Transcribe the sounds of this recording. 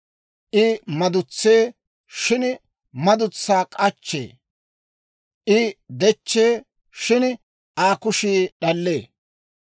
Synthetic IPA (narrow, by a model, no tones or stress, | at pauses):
ʔɪmɐd̪ʊt͡sːeː | ʃɪn | mɐd̪ʊt͡sːaːkʼɐt͡ʃːḛː | ʔɪd̪ɛt͡ʃːeː | ʃɪn | aːkʊʃiːɗɐlːeː